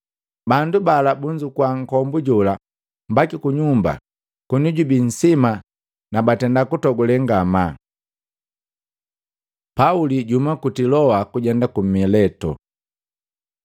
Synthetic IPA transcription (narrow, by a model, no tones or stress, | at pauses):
bandubalabuɲd͡ʒukwaŋ̩kɔmbuɟula | mbakikuɲumba̰ | kunuɟubin̩sima | nabatɛndakutɔɡulɛŋɡama | pauliɟumakutilɔwakuɟɛndakum̩ilɛtɔ̰